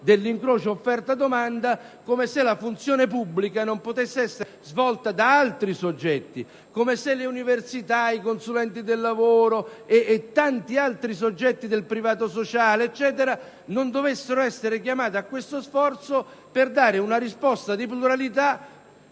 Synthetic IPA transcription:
d̪elːiŋkɾoːt͡ʃoːfːɛrt̪ad̪omand̪akomeselafunt̪sjoːnepubːlikanompot̪esːeɛsːe | zvɔlt̪ad̪aalt̪ɾisod͡ʒːɛt̪ːi | komeseleuniversit̪aikonsulɛnt̪id̪elːavoːɾoeːt̪ːant̪ialt̪ɾis̬od͡ʒːɛt̪ːid̪elpɾivaːt̪osot͡ʃaːleːt͡ʃːɛːt̪̬eɾa | nond̪ovesːeɾoɛsːeɾekjamaːt̪eakːwest̪osfɔrt̪so | perd̪aːɾɪunaɾispɔst̪ad̪ipluɾalit̪a

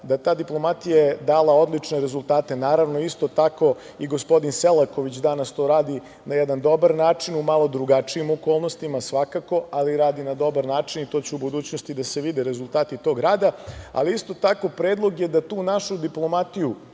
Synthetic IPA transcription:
d̪at̪aːd̪iplˠo̞mat̪ijajed̪aːlao̞d̪lˠit͡ʂne̞ɾezulˠt̪aːt̪e̞naːɾaʋnoist̪ot̪ako̞ | iɡospo̞d̪inselˠako̞ʋit͡ɕd̪anast̪o̞ːɾaːd̪i | najɛd̪and̪o̞baɾnaːt͡ʂinumalˠo̞d̪ɾuɡat͡ʂiimoko̞ːlˠnost̪imasʋakako̞ʔaliɾaːd̪inad̪o̞baɾnaːt͡ʂinit̪o̞t͡ɕuubud̪uːt͡ɕnost̪id̪ase̞ʋid̪eɾe̞zulˠt̪aːt̪it̪o̞ːɡɾaːd̪aa̰liist̪o̞t̪ako̞pɾeːd̪lˠo̞ɡjed̪at̪uːnaʃud̪iplˠo̞mat̪iju

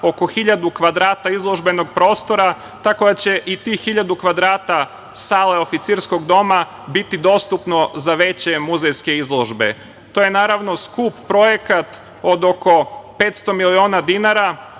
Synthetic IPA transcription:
o̞ko̞xiʎad̪ukʋad̪ɾaːt̪aizlˠo̞ʒbe̞no̞ɡ̚pɾo̞ːst̪o̞ɾa | t̪ako̞d̪at͡ɕeʔit̪ihiʎad̪ukʋad̪ɾaːt̪a | saːle̞ofit̪siɾsko̞ɡd̪o̞ma | bit̪id̪o̞st̪upno̞zaʋe̞t͡ɕe̞muzejske̞izlˠoʒbe̞̰ | t̪o̞ːjenaːɾaʋno̞skuːppɾo̞je̞kat̪ | od̪o̞ko̞pe̞t̪st̪o̞milio̞ːnad̪inaɾa

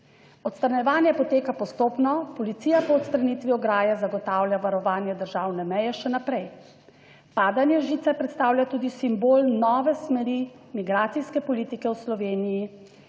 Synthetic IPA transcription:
ɔt̪st̪ɾanjɛʋaːnjɛpɔt̪eːkapɔst̪oːpnɔpɔlit̪siːjapɔːt̪st̪ɾanit̪ʋiɔɡɾaːjazaɡɔt̪aːwlʲjaʋaɾɔʋaːnjɛd̪əɾʒaːwnɛmɛjɛʃɛnapɾɛj | paːd̪anjɛʒiːt̪sɛpɾɛt̪st̪aːwlʲjʲat̪uːd̪isimboːlnɔːʋɛsmɛɾi | miɡɾaːt̪sijskɛpɔlit̪ikɛwslɔʋeːniji

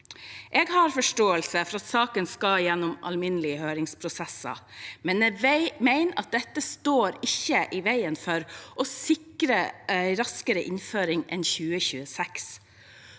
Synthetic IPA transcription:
ʔeːɡhɑɾfɔʂʈoːəlsəfɔɾɑt̪sɑːkənskɑjɛnːʊmɑ̰lmɪnəlɪəhøːɾɪŋspʰɾʊsɛsɑ̰mɛnmæɪnɑ̰t̪̚d̪ɛt̪ːəst̪oːɾɪçəʔɪʋæɪənfɔɾʔɔsɪkɾəɛɾɑskəɾəʔɪnføːɾɪŋʔɛ̰nçʉːəçʉːəsɛks

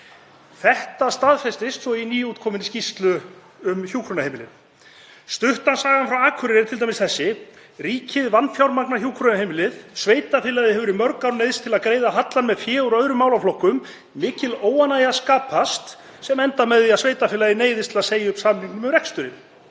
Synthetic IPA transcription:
θɛht̪ast̪aðfɛst̪ɪst̪svɔiniːuːt̪̚kʰɔːmɪnscist̪lʏ | ʏmçuːkʰɾɔnahejmɪlɪ̰n | st̪ʏht̪ansaːɣanfɾawaːkʰvʏɾɾɪɾt̪ʰɪlt̪ajmɪsθɛsːɪ | riːcʰɪðvanːfjawɾmaknahçjuːkʰɾɔnahejmɪlɪðsveːjt̪afɪːlaðɪhɛvʏɾɪmœɾkaɾnejðst̪ʰɪlaðkɾeːjðaɦat̪lanmɛðfjɛːɔɾœðɾʏmaːwlawflɔhkːʏm | mɪːcɪloːwanaːjaskaːpʰast̪ | sɛmɛnt̪amɛðiaðsveːjt̪afɪlaðɪneːjðɪst̪ʰɪlaðseːjɪʏpsaːmniŋknʏmʏmɾɛkst̪ʏɾɪn

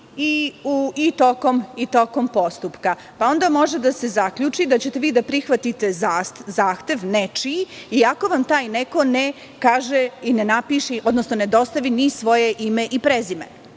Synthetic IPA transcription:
iuit̪okomit̪o̞ko̞mpo̞st̪upka | pao̞nd̪amo̞ʒed̪ase̞zakʎut͡ʂid̪at͡ɕet̪e̞ʋiːd̪apɾixʋat̪it̪e̞zaszaːxt̪e̞ʋnet͡ʃiiako̞ʋamt̪aːjneko̞ne | kaːʒeinenapiʃiʔod̪no̞snone̞d̪o̞st̪aʋinisʋo̞jeʔime̞ʔipɾezimḛ

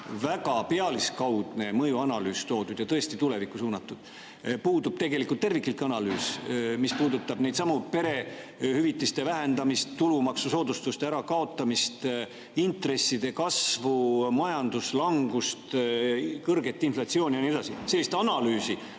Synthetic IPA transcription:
væɡɑpe̞ɑliskɑwd̪̥ne̞mɤjuɑnɑlyːst̪o̞ːd̪ud̪̥jɑt̪ɤ̞est̪it̪ule̞vikːˑusuːnɑt̪ːˑud̪̥ | puːd̪ub̥t̪e̞ɡe̞likˑult̪ːe̞rvikːˑilt̪ːˑɑnɑlyːsmispuːd̪ut̪ːˑɑb̥nejd̪sɑmupe̞ɾe̞hyvit̪ːˑist̪e̞væɦe̞nd̪ɑmist̪ːulumɑksuso̞ːd̪ust̪ust̪eæɾɑkɑo̞t̪ˑːɑmist̪ | int̪re̞sːid̪̥e̞kɑsvumɑjɑnd̪uslɑŋɡ̥ust̪ | kɤrɡ̥e̞t̪ːˑinflɑt̪sio̞ːnʲijɑnie̞d̪ɑsise̞lːist̪ɑnɑlyːsi

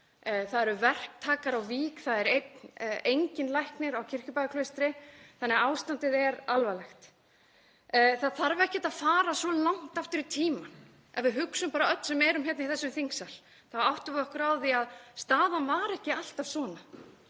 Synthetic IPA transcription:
θaðɛɾʏvɛr̥k̚t̪ʰaːkaɾawviːkθaðɛɾet̪nejɲcɪnlajhknɪɾawcʰɪr̥cʏpajɣakʰlœɥst̪ɾɪθanːɛɣaawst̪ant̪ɪðɛɾalvalɛxt̪ | θaðθaɾvɪɾɛhcɪɛt̪aðfaːɾasɔlawŋ̥t̪aft̪ʏɾɪt̪ʰiːman | ɛvɪðɦʏksʏmpaːɾaœt̪n̥sɛmɛːɾʏmçɛt̪nɪθɛsːʏmθiŋksal̥ | θavawht̪ʏvɔhkɾawðiaðst̪aːðanvaɾɛhcɪal̥t̪av̥svɔːna

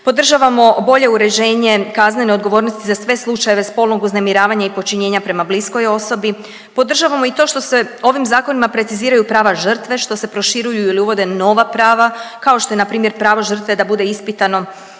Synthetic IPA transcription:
po̞d̪r̩ʒaʋamo̞bo̞ʎe̞uɾe̞d͡ʑe̞ːɲe̞kaznene̞od̪ɡo̞ʋo̞ːɾnost̪izasʋe̞slˠut͡ʃaje̞ʋe̞spo̞lno̞ɡuznemiɾaːʋaɲaipo̞t͡ʃiɲe̞ːɲapɾe̞mablisko̞jo̞so̞bi | po̞d̪r̩ʒaʋamo̞it̪o̞ːʃt̪o̞seo̞ʋimzaːko̞nimapɾe̞t̪siziːɾajupɾaːʋaʒr̩t̪ʋe̞ʃt̪o̞se̞pɾo̞ʃiɾujuiliuʋo̞d̪e̞no̞ʋapɾaːʋakao̞ʃt̪o̞je̞napɾiːmje̞ɾpɾaːʋo̞ʒr̩t̪ʋe̞d̪abud̪e̞ispit̪ano̞

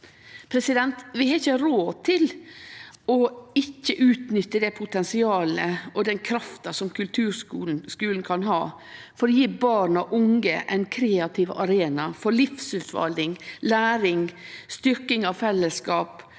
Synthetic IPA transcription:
pʰɾɛsɪd̪ɛnt̪ʋɪhɑɪçəɾoːt̪ʰɪl | ɔɪçːəʔʉːt̪nʏt̪ːəd̪ɛpʰʊt̪ʰɛnsɪɑːləɔd̪ɛnkʰɾɑft̪ɑsɔmkʉlt̪ʰʉːskʉːln̩kʰɑnɦɑː | fɔɾɔjiːbɑːɳɑʔʊŋɡə̰ʔɛɪnkʰɾeːɑt̪ʰɪʋɑ̰ɾeːnɑfɔɾɭɪfsʉːt̪ʋɑ̰ld̪ɪŋlæːɾɪŋst̪ʏɾkɪŋɑʋfɛlːəskɑːp

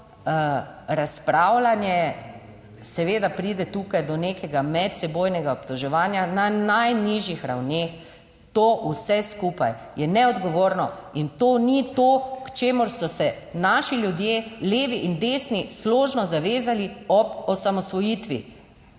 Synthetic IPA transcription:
ɾaspɾaːwlanjɛ | sɛʋeːd̪apɾid̪ɛt̪ukajd̪ɔnekɛɡamɛt̪sɛboːjnɛɡaɔpt̪ɔʒɛʋaːnjananajniʒjixɾa̰wnex | t̪oːʔusɛskupa̰j | jɛnɛɔd̪ɡɔʋoːɾnɔint̪oːnit̪oːkt͡ʃeːmʊɾsɔsɛ | naːʃiljud̪jeːleːʋiʔind̪esnisloːʒnɔzaʋeːzaliɔbɔsamɔsʋɔjit̪ʋḭ

